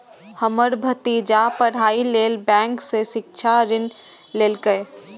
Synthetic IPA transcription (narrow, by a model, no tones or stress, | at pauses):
həməɾbʱət̪id͡ʒapəɾɦaileːlbɛ̃ŋkseʃɪk̚t͡ʃʰaɾɪn | leːlkəj